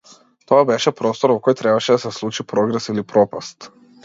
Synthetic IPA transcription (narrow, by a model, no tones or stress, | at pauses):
t̪oabɛʃɛpɾost̪oɾvokojt̪ɾɛbaʃɛd̪asɛslˠut͡ʃipɾoɡɾɛsilipɾopast̪